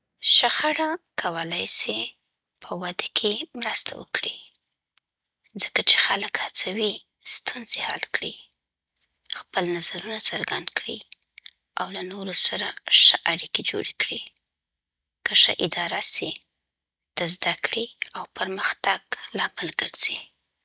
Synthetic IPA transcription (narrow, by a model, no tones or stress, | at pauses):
ʃəxaɽakʰawəlajse | pʰəwad̪akʰemɾəst̪ʰa̰wə̰kɽi | zəkat͡ʃe̥xaləkhat͡sawi | st̪unzehɑ̰lkɽi | xpəlnazaɾunat͡səɾɡand̪kɽḭ | awlanoɾosaɾaʂəʔaɽiked͡ʒo̰ɽekɽi | kəʂə̰ʔɪd̪ɑɾasi | d̪̥əzd̪akɽiawpəɾməxt̪aɡ̥lɑməlɡəɾz̥i